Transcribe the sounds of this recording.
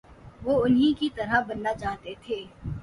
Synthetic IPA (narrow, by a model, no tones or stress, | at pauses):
ʋoːʊnɦĩkit̪ɐɾabɐnːat͡ʃaːɦt̪et̪ʰeː